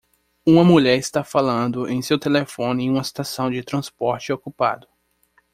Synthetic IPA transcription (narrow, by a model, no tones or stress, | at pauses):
ũmɐmuʎɛɾɪst̪afalɐ̃nd̪ʊʔẽj̃sewt̪elefõnɪẽj̃ũmɐst̪asɐ̃w̃d͡ʒɪt̪ɾɐ̃spɔɾt͡ʃɪokupa̰d̪ʊ